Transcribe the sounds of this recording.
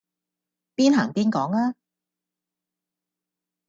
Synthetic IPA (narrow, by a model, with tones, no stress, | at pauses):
piː˥nɦaː˨˩ŋpiː˥nkɔː˨˥ŋaː˦˥